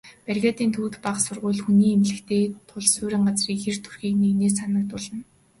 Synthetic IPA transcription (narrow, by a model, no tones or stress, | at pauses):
pærɣʲaːt̪iːnt̪ʰuːt̪paχsʊrʁʊ̟ːɮxuniːemɮɘ̆kt̪ʰeːt̪ʰʊɮsʊːɾʲĭɴɢat͡sriːkxert̪ʰu̥rxiːknineːsanə̆k̚t̪ʊɮə̆n